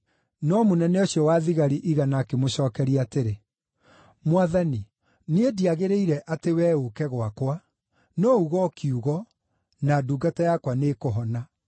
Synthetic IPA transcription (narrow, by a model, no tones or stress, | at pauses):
nɔmonɛnɛoɕjɔwaðiɣaɾiʔiɣanakemoɕɔːkɛɾiateɾe | mwaðani | niediaɣeɾeiɾɛʔatewɛokɛɣwakwa | nɔuɣɔkʰiuɣɔ | naduːɡatajakwanekoɦɔna